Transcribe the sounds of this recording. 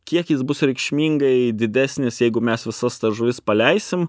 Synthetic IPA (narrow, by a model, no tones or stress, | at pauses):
kʲiɛkjɪsbʊsɾʲɛɪkʃʲmʲiːŋɡɐɪd̪ʲɪd̪ʲæːsʲnʲɪsjɛɪɡʊmʲɛsʋʲɪsɐst̪ɐʒʊʋʲɪspɐlʲɛɪsʲɪm